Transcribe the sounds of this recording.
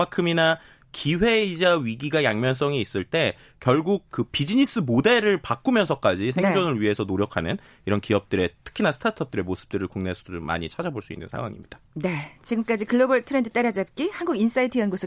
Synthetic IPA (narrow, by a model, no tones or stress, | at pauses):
makʰɯmina | kʰiɸe̞id͡ʑaɥiɡiɡajaŋmjʌns͈ʌŋiːs͈ɯɭt͈e̞ | kjʌɭɡuk̚kɯpid͡ʑiɲis͈ɯmode̞ɾɯɭpak͈umjʌnsʰʌk͈ad͡ʑis̬ʰeŋd͡ʑonɯɭɥiɦe̞sʰʌnoɾjʌkʰanɯn | iɾʌnkiʌp̚t͈ɯɾe̞tʰɯ̥kʰinasʰtʰatʰʌp̚t͈ɯɾe̞mosʰɯ̥p̚t͈ɯɾɯɭkuŋnesʰo̥doma̰ɲit͡ɕʰad͡ʑaboɭs͈uḭnːɯ̰nsʰa̰ŋwa̰ŋḭmɲid̥ane̞t͡ɕiɡɯmk͈ad͡ʑikɯɭːobʌɭtʰɯɾendɯt͈eɾjʌd͡ʑep̚k͈ihanɡuɡins͈aitʰɯjʌnɡosʰɯ